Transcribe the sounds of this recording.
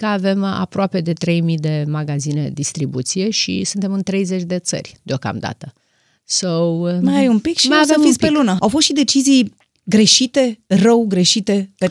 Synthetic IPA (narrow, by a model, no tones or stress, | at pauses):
kəave̞ma̰pɾoape̞d̪e̞t̪ɾe̞jmid̪e̞maɡazined̪ist̪ɾibut̪sije̞ʃḭsunt̪e̞mɨnt̪ɾe̞jze̞t͡ʃʲd̪e̞t̪sə̰rʲd̪eo̞ka̰md̪a̰t̪ə | sowmajajumpikʃimajaeefit̪sʲpelunəawfost̪ʃid̪e̞t͡ʃizij | ɡɾe̞ʃit̪e̞rəwɡɾe̞ʃit̪e̞pe